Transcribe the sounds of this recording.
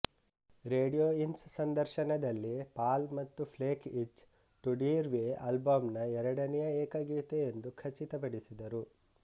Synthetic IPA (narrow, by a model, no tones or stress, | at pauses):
ɾeːɖijoːinssɐnd̪ɐɾʃɐnɐd̪ɐlːipaːlmɐt̪ːupʰleːkit͡ʃ | ʈuɖiɾʋeɐlbɐmnɐɛɾɐɽɐnɛjɐeːkɐɡiːt̪eend̪ukʰɐt͡ʃːit̪ɐpɐɽisid̪ɐɾu